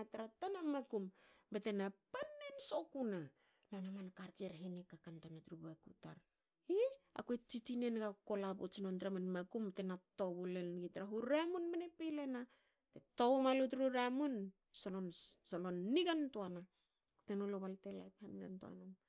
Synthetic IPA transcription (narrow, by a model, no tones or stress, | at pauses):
ataɾatanamakumbetenapanːenso̞kuna | lonamankaɾkeɾɦinikakantamatɾubakutaɾ | ia̰kuet͡ʃit͡ʃine̞nɡako̞lapo̰t͡ʃinontɾamanmakumbetenato̞βulenɡitɾaɦuɾamunmenepelena | tetoβomalutɾuɾamun | solonsalonːiɡantuana | ku̥tenoloβaltela̰jphanɡa̰ntua̰nom